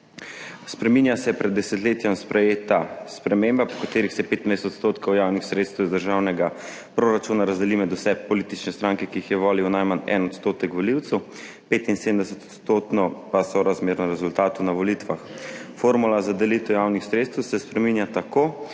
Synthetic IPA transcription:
spɾɛminjasɛpɾɛd̪dːɛsɛt̪leːt̪jɛmspɾʔɛjeːt̪aspɾɛmembapɔ̥kat̪eːɾixsɛpeːt̪najst̪ot̪st̪oːt̪kɔwjawnixsɾet̪st̪ɛwizd̪əɾʒawnɛɡa | pɾoɾat͡ʃuːnaɾazd̪ɛlimɛd̪usɛpɔlit̪it͡ʃnɛst̪ɾaːŋkɛkiixjɛʋoːliwnajmanɛ̰nɔt̪st̪oːt̪ɛkʋɔliwt̪sɛw | peːt̪insed̪əmd̪ɛsɛt̪ɔ̥t̪st̪oːt̪nɔpasɔɾazmeːɾnɔɾɛzult̪aːt̪unaʋɔlit̪ʋaxfoːɾmulazad̪ɛlit̪ɛwjawnixsɾeːt̪st̪əwsɛspɾɛminjat̪ako

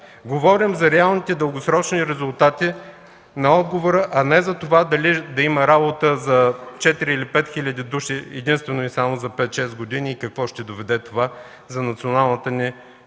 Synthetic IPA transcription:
ɡovɔɾimzɐɾɛalˠnit̪ɛd̪əlˠɡosɾɔt͡ʃniɾɛzʊlˠt̪at̪i | nɐɔd̪̚ɡovoɾəʔɐnɛzɐt̪ovad̪ɐlid̪ɐiməɾabot̪əzɐt͡ʃɛt̪iɾiːlipɛt̪xilʲəd̪id̪uʃiɛd̪inst̪vɛnoisamozɐpɛt̪ʃɛsɡod̪iniːkɐkvɔʃt̪ɛd̪ovɛd̪ɛt̪ova | zɐnɐt̪sionalˠnət̪əni

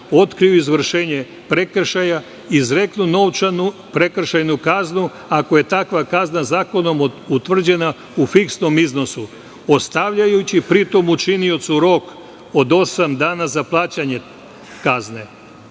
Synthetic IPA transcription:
o̞t̪kɾiuizʋr̩ʃe̞ːɲe | pɾe̞kr̩ʃaja | izɾe̞knuno̞ʋt͡ʃanu | pɾe̞kr̩ʃajnukaznu | ako̞je̞t̪akʋakaznazaːko̞no̞mut̪ʋr̩d͡ʑe̞na | ufiksno̞mizno̞su | o̞st̪aʋʎajut͡ɕipɾit̪o̞mut͡ʃinio̞t̪suɾo̞k | o̞d̪o̞samd̪aːnazaplˠaːt͡ɕaɲe̞ | kazne̞

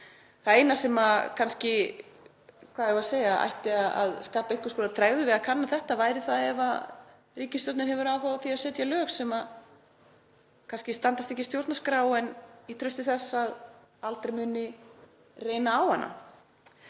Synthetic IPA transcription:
θaðejnasɛmakʰanscɪ | kʰvaːðɛvaseːjaa̰jht̪ɪaða̰ðskaːpaejɲŋ̥kʏ̥skɔːnapʰɾaːɣðʏvɪðaðkʰanːaθɛht̪avaːjɾɪθaðɛva̰ | riːcɪst̪ɔwɾt̪nɪnhɛvʏɾawfavaθiaðsɛːt̪jalœːxsɛma | kʰanscɪst̪ant̪ast̪ehcːɪst̪jowɾt̪naskɾaːwɛnit̪ʰɾʏst̪ɪθɛsːað | alt̪ɾejmʏːnɪ | reːjnaawhanːa̰

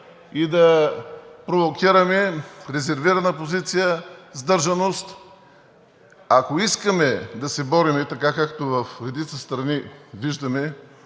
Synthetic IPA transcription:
id̪ɐ | pɾovokʲiɾɐmɛɾɛzɛɾviɾɐnəpozit̪sijəzd̪ɤɾʒɐnost̪ | akoiskəmɛd̪ɐsɛbɔɾimɛt̪ɐkakakt̪ovɐfɾɛd̪it̪səst̪ɾɐniviʒd̪ɐmɛ

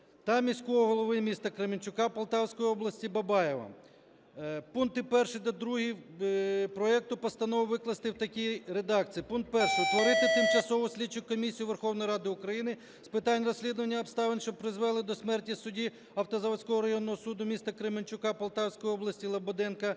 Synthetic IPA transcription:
t̪ɐmʲisʲkɔɦɔɦɔlˠɔʋɪmʲist̪ɐkɾɪmenʲt͡ʃʊkɑpɐlˠt̪ɑwsʲkɔjiɔblˠɐsʲtʲibɐbɑjeʋɐ̰ | punkt̪ɪpɛrʃɪjd̪ɐd̪ɾuɦi | pɾɔɛk̚t̪ʊpɔst̪ɐnɔʋʊʋɪklˠɐst̪ɪwt̪ɐkʲijɾed̪ɑkt͡sʲijipunt̪̚pɛrʃɪt̪ʋɔɾɪt̪ɪt̪ɪmt͡ʃɐsɔʋʊsʲlʲit͡ʃːʊkʲkɔmʲisʲijʊʋerxɔwnɔjiɾɑd̪ɪʊkɾɐjinɪ | spɪt̪ɑnʲrɔsʲlʲid̪ʊʋɐnʲːɐɔpst̪ɑʋɪnʲʃt͡ʃɔb̚pɾɪzʋɛlˠɪd̪ɔsʲmɛrtʲisʊdʲi | ɐwt̪ɐzɐʋɐsʲkɔɦɔɾɐjɔnːɔɦɔsud̪ʊmʲist̪ɐkɾemɪnʲt͡ʃʊkɑpɐlˠt̪ɑwsʲkɔjiɔblˠɐsʲtʲilˠɐbɔd̪ɛnkɐ

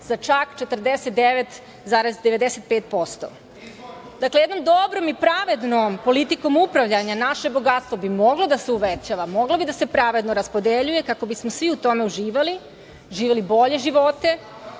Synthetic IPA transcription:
zat͡ʃakt͡ʃe̞t̪ɾd̪eset̪d̪eʋet̪ | zaːɾezd̪e̞ʋe̞d̪eset̪̚peːt̪̚po̞st̪o̞̰ | d̪aklejed̪no̞md̪o̞bɾomipɾaʋe̞d̪nompo̞lit̪iko̞mupɾaʋʎaɲanaʃe̞boɡat̪st̪ʋo̞bimo̞ɡlod̪aseuʋet͡ɕaʋamo̞ɡlobid̪ase̞pɾaʋe̞d̪noɾaspo̞d̪eʎuje̞kako̞bismosʋiut̪o̞me̞uʒiːʋali | ʒiːʋelibo̞ʎe̞ʒiʋo̞t̪e̞

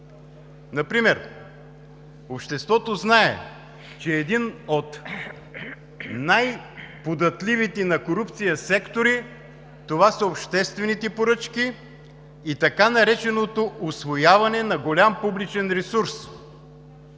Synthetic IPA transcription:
nɐpɾimɛɾ | opʃt̪ɛst̪vɔt̪oznaɛ̰ | t͡ʃɛːd̪inot̪ | najpod̪ɐt̪lʲivit̪ɛnɐkoɾupt̪sijəsɛkt̪oɾi | t̪ovasɐopʃt̪ɛst̪vɛnit̪ɛpoɾɤt͡ʃkiː | t̪ɐkanɐɾɛt͡ʃɛnot̪oʔʊsvojavɐnɛnɐɡolʲampublit͡ʃɛnɾɛsuɾs

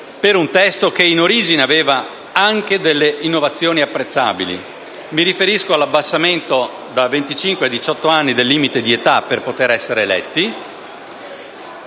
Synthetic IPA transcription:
peɾunt̪ɛst̪okeinoɾiːd͡ʒineaveːva | aŋk̟ed̪elːeʔinːovat̪sːjoːniapːɾet̪sːa̰ːbilḭ | miɾifeɾiskoalːabːasːament̪o | d̪avent̪it͡ʃiŋkwead̪it͡ʃɔt̪ːoanːid̪elːiːmit̪ed̪iet̪apːerpot̪eɾɛsːeɾeːlɛ̰t̪ːi

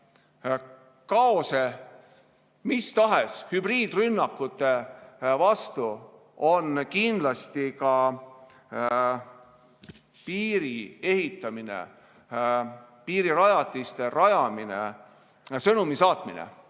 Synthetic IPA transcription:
kɑose | mist̪ɑɦeshybriːd̪̥rynːɑkːut̪ːˑe̞vɑst̪u | o̞nkind̪lɑst̪ikɑ | piːɾie̞hit̪ˑːɑminḛ | piːɾiɾɑjɑt̪ˑːist̪e̞ɾɑjɑminḛ | sɤnumisɑːt̪minḛ

